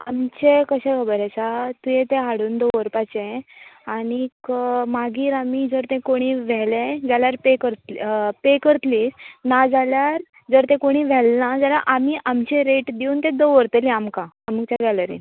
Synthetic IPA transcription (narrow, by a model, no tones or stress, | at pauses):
a̰mt͡ɕekəɕɛ̃kʰəbəɾasat̪ujẽt̪ẽɦaɽuːnd̪oʋəɾpat͡ɕẽaɽ̃ikmaɡiːɾamid͡zəɾt̪ɛ̃koɽ̃iʋɛlẽd͡zaljaɾpekəɾt̪lpekəɾt̪liːsnad͡zaljaɾ | d͡zəɾt̪ɛ̃koɽ̃iːʋɛlnad͡zalaʔamiːʔamt͡ɕeɾeʈd̪iuːnt̪ẽd̪oʋəɾt̪əlĩamkaːmuk̚t͡ɕaɡaləɾḭn